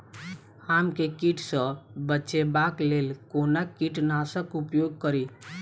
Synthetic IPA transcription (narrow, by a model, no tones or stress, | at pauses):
hamkekiʈʰsə̃bətːʃebaklelkonakiʈnasəkupjoɡ̚kəɾi